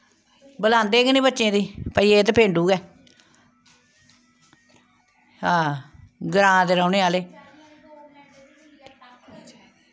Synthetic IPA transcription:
bəlãːnd̪eːɡnĩːbətːʃẽːd̪iːpəiːeːt̪pʰẽːɳɖuːɡɛː | ãːɡəɾãːd̪eːɾaːʊneːaːleː

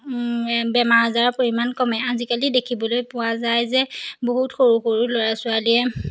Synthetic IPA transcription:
bɛmaɹazaɹɔpoɹimankɔmɛazikalidekʰibɔlojpʊwazajzɛboɦutxoɹuxoɹuloɹasʊaliɛ

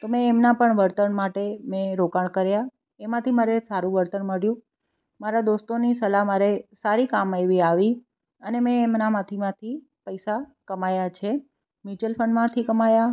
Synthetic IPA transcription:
t̪omɛ̃ːmnapəɳʋəɾt̪ənmaʈemẽɾokaɳ̃kəɾja | emãt̪ʰimaɾesaɾũʋəɾt̪ənməɽjũ | maɾad̪ost̪onisəlamaɾesaɾikamajʋiaʋi | ənemɛ̃ːmnamat̪ʰimãt̪ʰi | pəjsakəmajat͡ʃʰe | mit͡ʃəlfʰəɳmãt̪ʰikəmaja

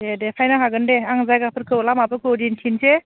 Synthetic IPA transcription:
dedepʰajnaɦaɡɯndeaŋzajɡapʰɯɾkʰɯwlamapʰɯkʰɯwdinkʰinse

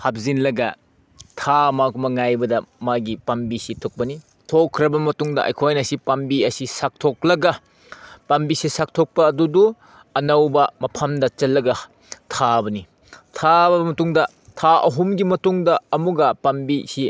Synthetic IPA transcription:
hap̚zinlɐɡɐ | tʰamakumɐŋajbɐdɐmaɡipɐmbisitʰok̚pɐni | tʰokʰːɾɐbɐmɐtuŋdɐʔɐ̰jkʰojnɐsipɐmbiɐsisak̚tʰoklɐɡɐ | pɐmbisisak̚tʰok̚pɐːdudu | ɐnɐwbɐmɐpʰɐmdɐt͡ʃɐlːɐɡɐ | tʰabɐni | tʰabɐmɐtuŋdɐ | tʰaɐ̰ɦumɡimɐtuŋdɐɐmuɡɐpɐmbisi

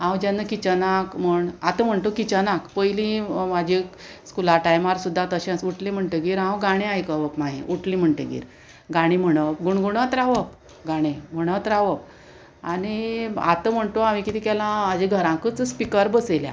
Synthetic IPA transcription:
ɦãwd͡ʑanːəkit͡ɕənakm̤əɳat̪əm̤əɳt̪okit͡ɕənakpəjlĩmad͡ʑʱi | skulaʈajmaɾsud̪ʱːat̪əɕẽsuʈlĩm̤əɳʈəɡiːɾɦãwɡaɽ̃ẽajkəʋəpmaɦḛ̃ʔuʈlĩm̤əɳʈəɡḭːɾ | ɡaɽ̃im̤əɳ̃əpɡuɳɡuɳət̪ɾaʋəp | ɡaɽ̃em̤əɽ̃ət̪ɾaʋəp̚ | ania̰t̪əm̤əɳt̪oamikit̪iːkɛlãad͡ʑeɡʱəɾãkət͡sspikəɾbəselja̰

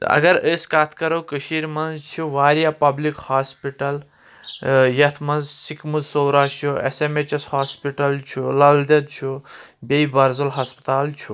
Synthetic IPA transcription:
ɐ̰ɡɐɾəːskat̪ʰkɐɾowkəʃiɾmɐnzt͡ʃʰiʋaːɾjaːpɐblikhaːspiʈɐl | jɐt̪ʰmɐnzsikmuzsoːɾaːst͡ʃʰuḛsemet͡ʃɐshaːspiʈɐlt͡ʃʰulɐld̪ɐd̪̚t͡ʃʰubʲeibɐɾzɐlɦɐspɐt̪aːlt͡ʃʰu

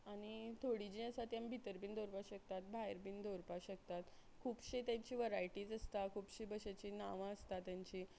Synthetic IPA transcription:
aɽ̃it̪ʰoɽid͡ʑĩəsat̪jambʱit̪əɾbiːnd̪ʱoɾpaɕək̚t̪at̪̚bʱajɾpind̪ʱoɾpaɕək̚t̪at̪ | kʰuːpɕiːt̪jaɲt͡ɕiːʋəɾajʈiːd͡zəst̪akʰuːpɕiːbəɕat͡ɕiːnaʋãəst̪at̪jãɲt͡ɕiː

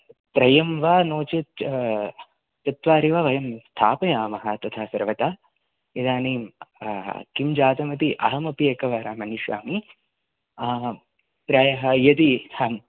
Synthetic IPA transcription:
t̪ɾɐjɐmʋaːnoːt͡ʃɐt̪ | t̪ɐt̪ʋaːɾiʋɐʋɐjɐmst̪ʰaːpɐjaːmɐɦɐt̪ɐt̪ʰaːsɐɾʋɐt̪aː | jɐd̪aːneːm | kimd͡ʒaːt̪ɐmɐt̪iʔɐ̰ɦɐmɐpijekɐʋaːɾaːmɐniʃʋa̰ːmi | pɾaːjɐɦɐjɐt̪ihɐm

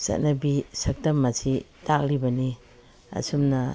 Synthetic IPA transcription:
sɐ̰tnɐbisɐk̚tɐmːɐsʰi | tak̚libɐni | ɐ̰sumnɐ

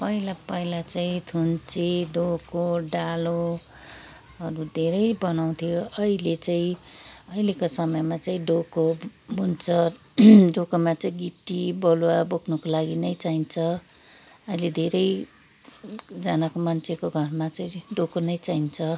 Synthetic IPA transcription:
pʌilapʌilat͡saĩt̪ʰunt͡seɖokoɖalo | ʌɾud̪ʱeɾʌjbʌnaw̃t̪ʰijoʌilet͡saĩʌilekosʌmʌjmat͡saĩɖokobʱunt͡sʰʌ | ɖokomat͡saĩɡiʈːibʌlwabokʰnʌkolaɡinʌjt͡saint͡sʰʌ | ʌiled̪ʱeɾʌj | d͡zanakomʌnt͡sʰekoɡʱʌrmat͡saĩɖokonʌjt͡saint͡sʰʌ

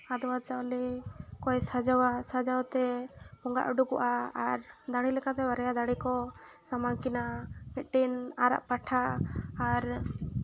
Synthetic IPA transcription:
ad̪ɔwat͡ʃaɔlikɔjsad͡ʒawasad͡ʒawt̪ɛpɔŋɡa̰ʔuɖukɔʔaːɾd̪aɽilɛkat̪ɛbaɾɛjad̪aɽikɔsamaŋkinamit̪̚ˀʈinaɾa̰ʔpaʈʰaː | ɾ

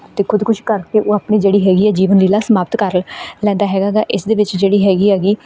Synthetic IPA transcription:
t̪eːkʰʊd̪kʊʃkəɾkeʔoːaːpniːd͡ʒeːɽiːɦɛːɡiːɛːd͡ʒiːʋənliːlaːsəmaːpt̪kəɾlɛ̃ːnd̪aːɦɛːɡaːɡaːʔɪsd̪eːʋɪt͡ʃd͡ʒeːɽiːɦɛːɡiːɛːɡiː

